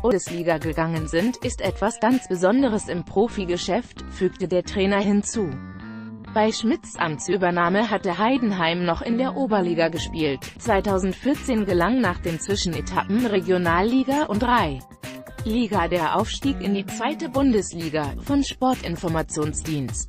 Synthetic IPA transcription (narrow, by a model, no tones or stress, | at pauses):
bʊnəsliːɡaɡəɡaŋənzɪntɪstʔɛtv̥asɡ̥ant͡sb̥əzɔndəʁ̞əsɪmpʁ̥oːfiɡəʃɛftfyːktədeːɐtʁ̥ɛːnɐɦɪnt͡suː | b̥aɪʃmɪt͡sʔa̰mt͡syːbɐnaːməɦatəɦaɪdn̩ɦaɪmnɔχɪndeːɐʔoːbɐliːɡaɡəʃpiːltt͡sv̥aɪtʰaʊzn̩tfɪɐt͡seːnɡəlaŋnaːχd̥eːnt͡sv̥ɪʃn̩etʰapm̩ʁeɡjonaːlːiːɡaʔʊntdʁaɪ | liːɡadeːɐʔa̰ʊfʃtiːkɪndiːt͡sv̥aɪtəbʊndəsliːɡafɔnʃpɔɐtʔɪnfɔɐmat͡sjoːnsd̥iːnst